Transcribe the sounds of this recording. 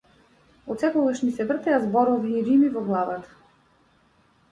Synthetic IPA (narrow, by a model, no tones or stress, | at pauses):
ɔt̪sɛkɔɡaʃnisɛvr̩t̪ɛazbɔɾɔviːɾimivɔɡlˠavat̪ḁ